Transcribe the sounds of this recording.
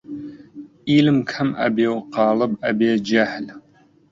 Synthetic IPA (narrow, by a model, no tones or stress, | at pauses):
iːlɨmkʰɐmɐ̰biːwqɑːlɐbabiɛd͡ʒɐħl